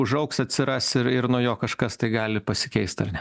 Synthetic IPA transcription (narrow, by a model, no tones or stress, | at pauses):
ʊʒɐʊksɐt̪ʲsʲɪɾɑsɪɾɪɾnuɔːjoːkɐʃkɐst̪ɐɪɡɑːlʲɪpɐsʲɪ̥kʲɛɪst̪ɐ̰rnʲɛ